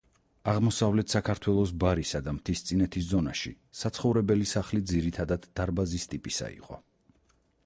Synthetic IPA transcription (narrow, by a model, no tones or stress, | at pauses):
aʁmɔsavlɛt̪ʰsakʰaɾt̪ʰwɛlˠɔs̬baɾisad̪amt̪ʰist̪sʼinɛt̪ʰiszɔnaʃi | sat̪sʰχɔvɾɛbɛlisaχlid̪ziɾit̪ʰad̪ad̪̥d̪aɾbazist̪ʼipʼisa̰ḭqʼɔ̰